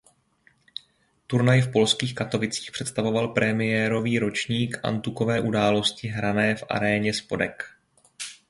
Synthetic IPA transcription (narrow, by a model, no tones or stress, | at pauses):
t̪uɾnajfpo̞lskiːxkat̪o̞vɪt͡siːxpr̥ɛt̪st̪avo̞valpɾɛmɪjɛːɾo̞viːɾo̞t͡ʃɲiːkʔa̰nt̪uko̞vɛːʔudaːlo̞scɪɦɾanɛːfʔa̰ɾɛːɲɛspo̞dɛk